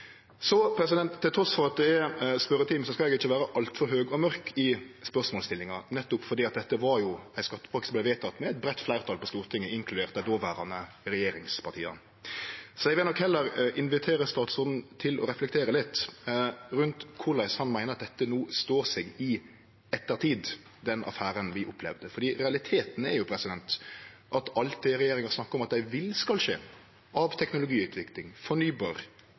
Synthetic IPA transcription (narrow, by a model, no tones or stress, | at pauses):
sɔpʰɾɛsɪd̪ɛnt̪ʰːɪlt̪ɾɔsfɔʁɑt̪̚d̪ɛɛspœɾət̪ʰɪːmsɔskɑɛɡɪçːəʋæːɾəʔɑlt̪fɔɾɦøːɡɔmœɾkʰɪspœʁsmɔːlst̪ɪlːɪŋɑnɛt̪ːʊpfɔɾd̪iːɑt̪̚d̪ɛt̪ːəʋɑɾjʊæɪskɑt̪ːə̥pʰɑkt̪ɪsblæɪʋeɪt̪ʰɑt̪ːmɛæɪt̪̚bɾɛt̪ːflæɪʁt̪ʰɑːlpɔst̪uːɾt̪ʰɪŋːəɪŋkʰlʉd̪eːʁt̪̚æd̪oːʋæːɾɑnə | ɾɛjeːɾɪŋspʰɑʁt̪ḭːɑ̰ | sæɪʋɛnɔkhɛlːəɾɪnʋɪt̪ʰeːɾəst̪ɑːt̪sɔɾd̪n̩t̪ʰɪlɔ̰ɾɛflɛk̚t̪ʰeːɾəlɪt̪ː | ɾʉnt̪kʰʊlæɪshɑnmæɪnəɾɑt̪̚d̪ɛt̪ːənuːst̪oːɾsɛɡɪ | ɛt̪ːəɾt̪ʰiːd̪ | d̪ɛnɑ̰fæːɾənʋɪʔʊpʰlɛ̰ʋd̪əfɔɾd̪iːɾɛɑlɪt̪ʰeːt̪n̩ɛɾjʊpʰɾɛsɪd̪ɛnt̪ʔɑt̪ɑlt̪̚d̪ɪɾɛjeːɾɪŋəsnɑkːəɾʊmɑt̪̚d̪æɪʋɪlskɑlʂeː | ʔɑʋt̪ʰɛknʊlʊɡiːʉːt̪ʰʋɪklɪŋfɔnyːbɑːɾ